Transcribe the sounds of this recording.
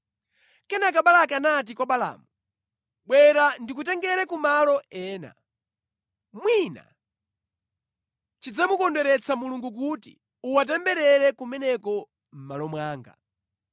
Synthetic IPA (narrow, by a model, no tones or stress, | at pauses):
kɛnak̬aɓalakɛanat̬ikwaɓala̰ːmu | ɓwɛɾandik̬ut̬ɛŋɡɛɾɛkumalɔɛːna̰ | mwina̰ | t͡ʃid͡zamukɔndɛɾɛt͡sʰamuluŋɡuk̬utḭ | uwat̬ɛmbɛɾɛɾɛkumɛnɛkɔ | m̩malɔmwaːŋɡa̰